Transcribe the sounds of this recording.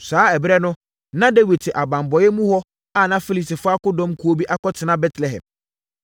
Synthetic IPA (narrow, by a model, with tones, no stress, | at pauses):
saː˨˦ɛ˨bɾɛ˦nʊ̃˦ | nã˦de˦wi˨tʰɪ˨ʔa˨bã˨m˨bɔ˨jɛ˦mũ˦hɔ˦ | a˦˨nã˦fi˦li˨sɪ˨fa˦kʊ˦dɔ̃˦mkʰu˨˦o˦bi˦ʔa˦kɔ˦tʰɪ˨nã˦bɛ˦tʰlɛ˨hɛ̰̃˨m